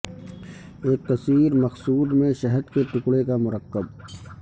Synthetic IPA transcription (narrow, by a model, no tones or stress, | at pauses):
eːk̚t̪ɐsiːɾmɐxsuːd̪mẽʃɐɦəd̪keʈʊkɽekamʊɾəqːəb̚